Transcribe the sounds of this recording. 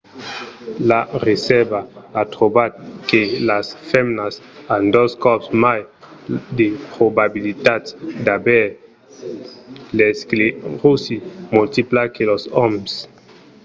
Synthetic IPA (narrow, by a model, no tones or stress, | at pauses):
laɾesɛbaːtɾobat̪̚kelasfemnasandoskɔpsmaj | depɾobabilitatdabɛ | leskleʁusimultiplakelosɔms